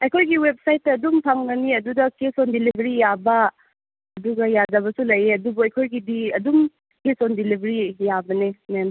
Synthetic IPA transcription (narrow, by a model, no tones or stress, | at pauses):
ɐjkʰojɡiwep̚sajtːɐːdumpʰaŋɡɐniɐdudɐkesondilibʱɐɾijabɐ | ɐduɡɐjadɐβɐsulɐjeɐdubuɐjkʰojɡidiɐdum | kesondilibʱɐɾijabɐnenem